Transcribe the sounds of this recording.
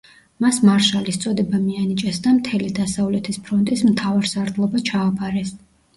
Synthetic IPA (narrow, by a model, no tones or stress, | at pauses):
masmaɾʃalist̪sʼɔd̪ɛbamianit͡ʃʼɛsd̪amt̪ʰɛlid̪asavlɛt̪ʰispʰɾɔnt̪ʼismt̪ʰavaɾsaɾd̪lˠɔbat͡ʃʰaːpʼaɾɛs